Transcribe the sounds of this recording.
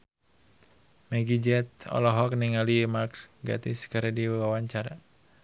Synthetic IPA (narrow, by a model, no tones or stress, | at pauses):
mɛɡid͡ʒɛt̪̚ɔ̰lɔɦɔk̚niŋalimarkɡa̰t̪iskaɾɛdiwawaɲt͡ʃaɾa